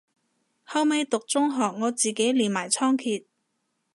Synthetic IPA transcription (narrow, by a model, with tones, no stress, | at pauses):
hɐ˥wme˨˧jt̪ʊ˨k̚t͡sʊ˥ŋɦɔː˨˩k̚ŋɔː˨˧t͡siː˨ke˨˥jliː˨nmaː˨˩jt͡sʰɔː˥ŋkʰiː˨˧t̚